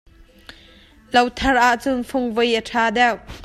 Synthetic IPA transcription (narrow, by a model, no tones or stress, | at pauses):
lɐwt̪ʰɐrʔaʔt͡sʊnfʰʊŋvəjʔəʈʰaːd̪ɛw